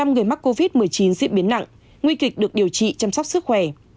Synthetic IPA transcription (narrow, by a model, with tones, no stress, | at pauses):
a˧mŋɨ˨˩əjma˦˥k̚ːo˧vi˦˥t̚mɨ˨˩əjt͡ɕi˨˦nzḭ˧˥ɓi˨˦nːa̰˧˨ŋ | ŋwi˧kï˨˩k̚ɗɨ˨˩ək̚ɗi˨˩əwt͡ɕḭ˧˨t͡ɕa˧msɔ˦˥wk͡p̚sɨ˦˥k̚xwɛ˧˩